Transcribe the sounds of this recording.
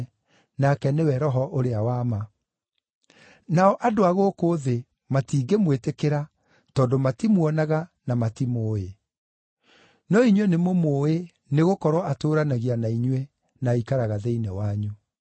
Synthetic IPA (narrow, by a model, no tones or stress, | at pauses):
nakɛnewɛɾɔɦɔʔoɾeawaːma | naɔʔadoaɣokoːðe | matiːɡemwetekeɾa | tɔːdomatimwɔnaɣanamatimoːe | nɔiɲwɛnemomoːe | neɣokɔɾwɔʔatoːɾanaɣianaiɲwɛ | naikaɾaɣaðeinɛwaɲu